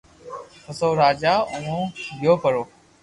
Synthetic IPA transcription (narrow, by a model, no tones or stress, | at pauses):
pəsoːɾaːd͡ʒaːʊ̃nõːɡɪjoːpəɾoː